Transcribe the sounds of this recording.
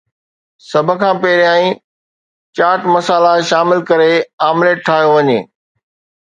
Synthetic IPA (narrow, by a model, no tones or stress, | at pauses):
sɐbʱə̆kʰãːpɛɦɾjaːĩ | t͡ɕaːɾʈmɐsaːlaʃaːmɪlkɐɾeaːmleːʈʰːaːɦijoʋɐɲḛː